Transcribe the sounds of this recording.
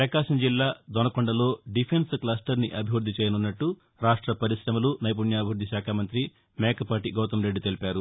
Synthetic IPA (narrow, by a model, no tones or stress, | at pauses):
pɾɐkaːʃɐmd͡ʒilːaːd̪ɔnɐkɔɳɖɐlo̞ːɖipʰensklaːsʈɐɾniʔɐbʱiʋɾud̪ʱːit͡ʃeɛːjɐnunːɐʈːu | ɾaːʂʈɾɐpɐɾisɾɐmɐlunɐjp̬unjaːbʱiʋɾud̪ːiʃaːkʰaːmɐnt̪ɾi | mɛːkɐpaːʈiɡɐːt̪ɐmɾe̞ɖːt̪e̞lipaːɾu